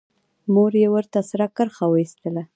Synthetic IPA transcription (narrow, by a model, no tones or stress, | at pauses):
moɾjewəɾt̪asɾakəɾxawəist̪əla